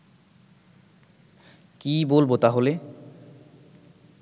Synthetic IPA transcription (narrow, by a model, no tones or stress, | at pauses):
kibolbot̪aɦole